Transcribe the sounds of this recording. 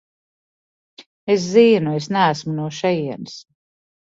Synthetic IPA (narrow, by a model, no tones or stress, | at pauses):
es̬ziːnuesnææsmunuɔʃɛjiɛns